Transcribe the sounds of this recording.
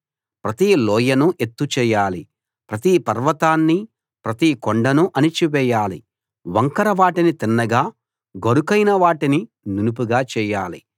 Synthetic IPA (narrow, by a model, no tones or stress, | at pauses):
pɾɐt̪iːlɔːjɐnuʔe̞t̪ːut͡ʃɛːjaːli | pɾɐt̪ipɐɾʋɐt̪aːnːi | pɾɐt̪ikoɳɖɐnuʔɐnit͡ʃiʋɛːjaːlḭ | ʋɐŋkɐɾɐʋaːʈinit̪inːɐɡaː | ɡɐɾukɐjnɐʋaːʈini | nunup̬uɡaːt͡ʃɛːjaːlḭ